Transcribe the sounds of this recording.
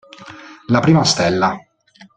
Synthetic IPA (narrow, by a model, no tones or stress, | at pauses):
lapɾiːmast̪ɛlːa